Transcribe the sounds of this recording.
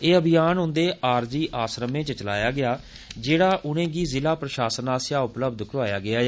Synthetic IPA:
eːəbɪjaːnɦʊ̃nd̪eːʔaːɾd͡ʒiːʔaːsɾəmẽːt͡ʃət͡ʃəla̰ːjaːɡɪaː | d͡ʒeːɽaːʔʊnẽːɡiːzɪlaːpɾəʃaːsənaːsjaːʊpləbd̪kɾʋaːjaːɡɪaː

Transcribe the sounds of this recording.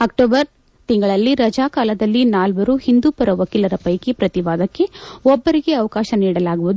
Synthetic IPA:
ɐk̚ʈoːbɐɾ | t̪iŋɡɐɭɐlːiɾɐd͡ʒaːkaːlɐd̪ɐlːinaːlʋɐɾuhind̪uːpɐɾɐʋɐkilɐɾɐpɐjkipɾɐt̪iʋaːd̪ɐkːe̞ɔbːɐɾiɡe̞ɐʋɐkaːʃɐniːɽɐlaːɡuʋud̪

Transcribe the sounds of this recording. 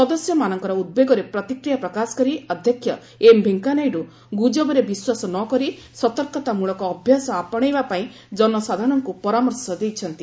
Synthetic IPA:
sɔd̪ɔsjɔmanɔŋkɔɾɔud̪̚beɡɔɾepɾɔt̪ikɾijapɾɔkasɔ̥kɔɾiɔd̪ʱjɔkʰːjɔ | embʱeŋkanajɾu | ɡud͡ʒɔbɔɾebiswasɔnɔkɔɾi | sɔt̪ɔɾkɔt̪amuɭɔkɔːbʱjasɔapɔɽ̃ejbapaĩ | d͡ʒɔnɔsad̪ʱaɽ̃ɔŋkupɔɾamɔɾsɔd̪ejt͡ʃʰɔnt̪i

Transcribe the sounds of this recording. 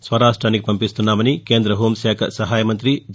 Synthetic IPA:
sʋɐɾaːʂʈɾaːnikipɐmpist̪unːaːmɐnikeːnd̪ɾɐɦoːmʃaːkʰɐ̰sɐɦaːjɐmɐnt̪ɾid͡ʒ

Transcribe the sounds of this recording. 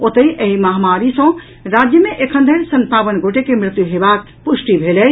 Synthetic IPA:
ot̪əiʔɐɦimaɦamaːɾisə̃ | ɾad͡ʒjəmẽʔekʰə̃nd̪ʱəɾsɐ̃nt̪aːbənɡʱoʈekemɾɪt̪juɦebaːk̚puʃʈibʱele

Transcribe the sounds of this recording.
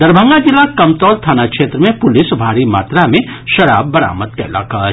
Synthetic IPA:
d̪ɐɾbʱə̃ŋɡad͡ʒɪlːakɐmt̪ɔːlt̪ʰaːnakʃeːt̪ɾəmẽpʊlɪsbʱaːɾima̰ːt̪ɾamẽʃɐɾaːbːɐɾa̰ːməd̪̚kɐla̰ːkaː

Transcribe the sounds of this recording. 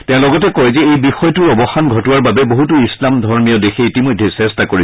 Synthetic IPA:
tɛ̃ʊ̃lɔɡɔtɛkɔjzɛejbixɔjtʊɹɔbɔxanɡʱɔtʊwaɹbabɛboɦutuislamdʱɔɹmiɔdexʰeitimojdʱːesɛstakoɹi

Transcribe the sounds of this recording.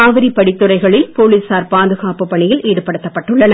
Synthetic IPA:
aːʋɪɾipːɐɽɪt̪ːɯɾɐɪɣɐɭɪlpoːliːsaːɾpaːðɯɣaːpɯpːɐɳɪjɪliːɽɯpːɐɽɯt̪ːɐpːɐʈːɯɭːɐnɐ

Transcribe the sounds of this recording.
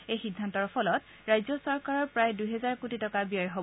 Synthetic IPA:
ejxidʱːantɔɹpʰɔlɔt | ɹajzɔsɔɹkaɹɔɹpɹajdujɦɛzaɹkutitɔkabiɔjɦob

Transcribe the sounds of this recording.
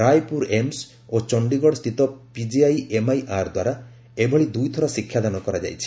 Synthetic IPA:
ɾajpuɾems | ot͡ʃɔɳɖiɡɔɽɔst̪ʰit̪ɔpid͡ʒiajemajʔaɾd̪waɾa | ebʱɔɭid̪ujt̪ʰɔɾasikʰːjad̪anɔkɔɾad͡ʒa̰jt͡ʃʰi̥

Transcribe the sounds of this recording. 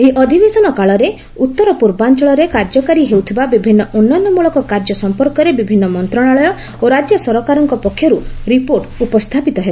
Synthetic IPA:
eʔɔd̪ʱibesɔnɔkaɭɔɾe | ut̪ːɔɾɔpuɾbant͡ʃɔɭɔɾekaɾd͡ʒɔkaɾiɦewt̪ʰibabibʱinːɔʔonːanːɔmuɭɔkɔkaɾd͡ʒɔsɔmpɔɾkɔɾebibʱinːɔmɔnt̪ɾɔɽ̃aɭɔjɔ | oɾad͡ʒjɔsɔɾɔkaɾɔŋkɔpɔkʰːjɔɾuɾipoɾʈupɔst̪ʰapit̪ɔɦebe

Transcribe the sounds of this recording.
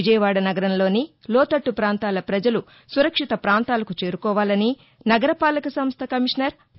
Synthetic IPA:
id͡ʒɐjɐʋaːɽɐnɐɡɐɾɐnlo̞ːnilɔːt̪ɐʈːupɾaːnt̪aːlɐpɾɐd͡ʒɐlu | suɾɐkʂit̪ɐpɾaːnt̪aːlɐkut͡ʃeːɾukɔːʋaːlɐni | nɐɡɐɾɐpaːlɐkɐsɐmst̪ʰɐkɐmiʂnɐɾ

